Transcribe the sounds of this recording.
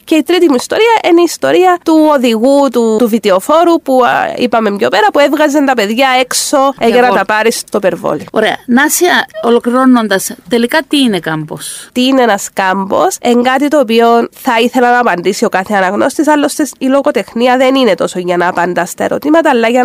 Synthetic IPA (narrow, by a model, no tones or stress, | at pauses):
ce̞it̪ɾit̪imuist̪o̞ɾiɐʔineist̪o̞ɾiɐt̪uo̞ðiɣut̪uuvit̪eo̞fo̞ɾupuḭpɐme̞mjo̞pe̞ɾɐpue̞vɣɐzent̪ɐpe̞ðʝɐe̞kso̞eʝɐnɐt̪ɐpɐɾist̪opeɾvo̰lioɾeɐ̰nɐsiɐolo̞kliɾo̞nːond̪ɐst̪elikɐt̪iːnekambo̞̰st̪iːneenɐskambo̞̰se̞ŋɡɐt̪it̪o̞ːp̬io̞nθɐiθe̞lɐnɐːpɐnd̪isio̞kaθeɐnɐɣno̞st̪isɐlːost̪esilo̞ɣo̞t̪e̞xniɐðe̞nine̞t̪o̞so̞ʝɐnɐːpɐnd̪ɐst̪ɐeɾo̞̰t̪imɐt̪ɐːlːɐʝɐ